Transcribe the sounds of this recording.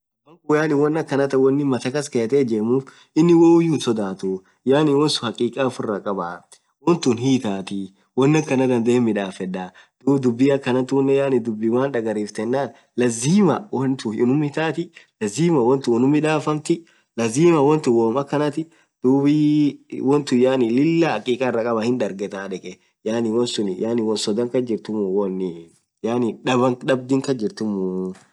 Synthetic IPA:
wɐŋkʊjaːnɪwɔnːɐkːɐnɐt̪ɐwɔnːɪmɐt̪ɐkɐskɐt̪eːd͡ʒeːmuːf | ɪnːɪwoʊjuːnsɔd̪aːt̪uː | jaːnɪwɔnsʊ̥hɐkʼiːkʼaːfʊrːɐkʼɐba | wɔnt̪ʊnhiːt̪aːt̪ɪ | wɔnːɐkːɐnɐd̪ɐnd̪emːɪᶑaːfɛᶑaː | d̪̥uːd̪ʊbːiɐkːɐnɐt̪uːnːɛjaːnɪd̪ʊbːɪwaːnᶑɐɡɐɾiːft̪ɛnːaːn | lɐziːmɐwɐnt̪ʊɪnʊmhɪt̪aːt̪ɪlɐziːmɐwɔnt̪ʊwɔnʊmɪᶑaːfɐmt̪ɪ | lɐziːmɐwɔnt̪ʊwoːmɐkːɐnɐt̪ɪ | d̪̥uːbiwɔnt̪ʊjaːnɪlɪlːaɐkʼiːkʼarːɐkʼɐbɐhɪnᶑ̪ɐɾɡɛt̪aːᶑɛkʼɛ | jaːnɪwɔnsʊnjaːnɪwɔnsɔd̪ɐŋkɐd͡ʒɪɾt̪ʊmʊwɔnːɪ | jaːnɪᶑɐbɐŋᶑɐb̚d̪ɪŋkɐd͡ʒɪɾt̪ʊmʊ

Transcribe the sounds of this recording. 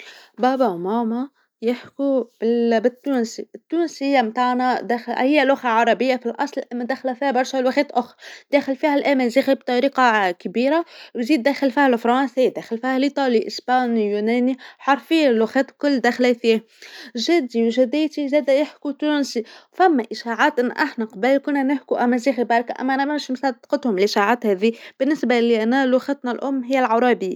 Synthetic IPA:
bɑːbawmɑːma | jɪħkubɪbɪt̪ːuːnsiɪt̪ːuːnsɪjːamt̪aʕnad̪æːxlhɪjːalʊxaʕɑɾˤɑbɪjːafilʔɑsˤlʔamːad̪æxlafiːhabɑɾˤʃalwaxɛːt̪ʔʊxɾˤd̪̥æːxɪlfiːhalʔæːmɪlziːxib̚t̪ˤɑɾiːqɑkbiːɾawziːd̪ːæːxɪlfihalafɾˤɑːnsid̪æːxɪlfihælʔit̪ˤɑːliʔɪspɑːnijuːnæːniħɑɾˤfɪjːalwæxɛːt̪kʊlːd̪æːxlæθiːh | ʒæd̪iwʒæd̪æjt̪izæːd̪æjɪħkut̪uːnsifæmːæʔɪʃaːʕaːt̪ʔɪnːʔaħnæqɑbəlkʊnːænɪħkuʔæmːæziːxibɑːɾˤkaʔæ̰mːæʔænæmæmʃmsɑd̪d̪qɑt̪hʊmlʔɪʃaʕaːt̪hæːðib̥ɪnːɪsbaliʔænælwaxat̪nalʔʊmːɦɪjːælʕɑɾˤɑːbi

